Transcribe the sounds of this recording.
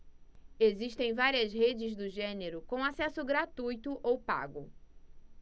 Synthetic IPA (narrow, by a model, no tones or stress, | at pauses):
eziʃt̪ẽj̃vaɾiɐzɦed͡ʒɪzd̪ʊʒẽneɾʊkõw̃asɛsʊɡɾat̪ujt̪ʊʔowpa̰ɡʊ